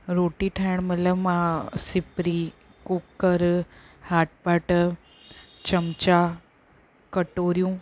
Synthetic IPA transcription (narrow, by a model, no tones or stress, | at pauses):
ɾoːʈiʈʰaːəɽ̃mət̪ləbmãsɪpɾi | kukːəɾ | haːʈ̚paʈ | t͡ɕəmt͡ɕa | kəʈoːɾijũː